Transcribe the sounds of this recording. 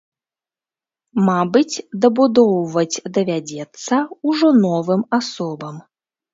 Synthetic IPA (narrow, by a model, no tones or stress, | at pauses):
mabɨt͡sʲd̪ɐbud̪ɔwvɐd͡zʲd̪ɐvʲad͡zʲɛt̪sːɐuʐɔnɔvɨmasɔbɐm